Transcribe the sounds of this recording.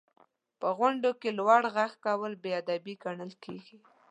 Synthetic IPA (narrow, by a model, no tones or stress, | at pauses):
pəɣʊɳɖokelwaɽɣaxkawəlbead̪abiɡaɳəlkʰeɡi